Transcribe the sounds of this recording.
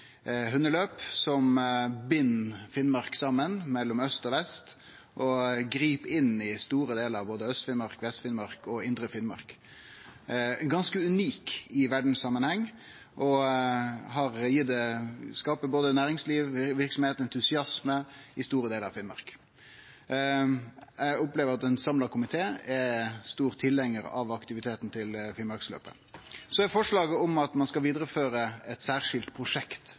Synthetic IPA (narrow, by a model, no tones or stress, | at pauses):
ɦʉnːəløːpsɔmbɪnːfɪnmɑɾksɑmːənmɛlːɔmœst̪ɔʋɛst̪ | ʔɔɡɾiːpɪnɪst̪uːɾəd̪eːləɾɑʋboːd̪əœst̪fɪnmɑʁkʋɛst̪fɪnmɑɾkɔɪnd̪ɾəfɪnmɑ̰ɾk | ɡɑnskəʉniːkɪʋæɖɳ̩ssɑmːənhɛŋː | ʔɔ | ɦɑʁjɪt̪̚d̪ɛskɑːpəboːd̪ənæːɾɪŋsliːʋʋɪɾksɔmheːt̪nɛnt̪ʰʉsɪɑsməɪst̪uːɾəd̪eːləɾɑ̰fɪlmɑ̰ʁk | æʊpleːʋəɾɑt̪ɛnsɑmlɑkʰʊmɪt̪ʰeːɛst̪uːɾt̪ʰɪlɛŋːəɾɑ̰ʋɑkt̪ɪʋɪt̪ʰeːt̪n̩t̪ʰɪlfɪlmɑɾkslø̰ːpə̰ | sɔæɾfɔʂlɑːɡəɔmɑt̪mɑnskɑlʋiːd̪ɾəføːɾəɛt̪sæːʁʂɪlt̪pʰɾʊʂɛkt̪